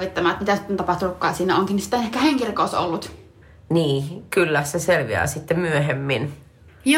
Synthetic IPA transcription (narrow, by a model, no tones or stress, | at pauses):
ʋit̪ːɑmæːt̪mit̪æsunt̪ɑpɑht̪ulukːɑːsiːnːæoŋkinsi̥t̪ːænehkæheŋkirkoːˑso̰lːut̪ | niːkylːæseselʋḭæ̰ːsit̪ːemmyøɦemːin | jo